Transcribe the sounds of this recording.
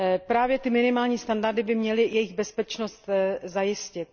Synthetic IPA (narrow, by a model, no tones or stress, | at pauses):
pɾaːvjɛt̪ɪmɪnɪmaːlɲiːst̪andaɾdɪbɪmɲɛlɪjɛjɪɣbɛspɛt͡ʃnost̪zajɪscɪt̪̚